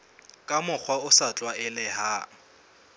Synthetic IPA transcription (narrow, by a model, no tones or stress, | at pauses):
kʼamʊk͡xʰwaʊsat͡ɬʼwaɪlɪha